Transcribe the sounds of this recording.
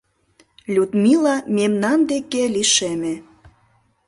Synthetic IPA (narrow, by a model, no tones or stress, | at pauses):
lʲut̪milɑmemnɑnd̪ekeliʃeme